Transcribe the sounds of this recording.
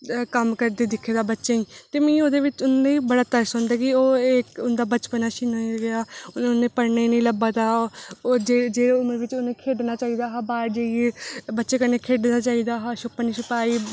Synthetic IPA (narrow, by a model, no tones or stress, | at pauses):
kəmkəɾd̪eːd̪ɪkʰːeːd̪aːbətːʃeːĩːt̪eːmĩːoːd̪eːʋɪt͡ʃʊnaːiːbəɽaːt̪əɾsɦõːnd̪aːkɪoːeːkʊnd̪aːbət͡ʃpənaːʃinaɡɪaːʊnnẽːpəɾnaːinə̃ːləbaːt̪aːoːd͡ʒeːd͡ʒeːʊməɾʋɪt͡ʃʊnẽːkʰeːɖnaːt͡ʃaːiːd̪aːɦaːbaːɾd͡ʒaːiebətːʃeːkənẽːkʰeːɖnaːt͡ʃaːiːd̪aːɦaːʃʊpːənĩːʃʊpaːiː